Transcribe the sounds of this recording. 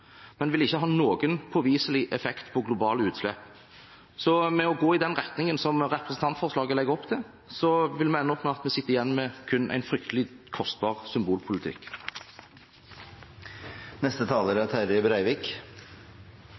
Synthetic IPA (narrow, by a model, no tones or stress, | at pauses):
mɛnʋɪlɪçːəɦɑːnoːɡənpʰɔʋiːsəlɪʔɛfɛkt̪pʰɔɡlʊbɑːləʉːt̪slɛpː | sɔmɛɔɡoːɪd̪ɛnʁɛt̪nɪŋənsɔmʁɛpɾʁəsn̩t̪ɑnt̪fɔʁslɑːɡəlɛɡːɔpːt̪ʰɛ | sɔʋɪlmɛɛnəɔpməɑt̪mɛsɪt̪ːəɾɪjɛnːmɛkʰʉnːʔæ̰ɪnfɾʏkt̪ʰəlɪkʰɔst̪̚bɑːʁsʏmbuːlpʰʊlɪt̪ʰɪ̰kː | nɛst̪ət̪ʰɑːləɾæt̪ʰæɾəbɾæɪʋɪk